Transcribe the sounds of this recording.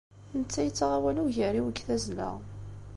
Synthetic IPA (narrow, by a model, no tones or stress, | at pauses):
θənət͡sːæjət͡sːʁawæluʝəriwəɡθæzlæ̰